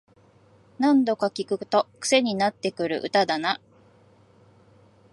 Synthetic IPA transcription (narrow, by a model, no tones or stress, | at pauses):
nãnd̪o̞kakʲikɯ̟t̪o̞kɯ̟̥se̞ɲ̟inat̪ːe̞kɯ̟ɾɯ̟̰ʔɯ̟t̪ad̪ana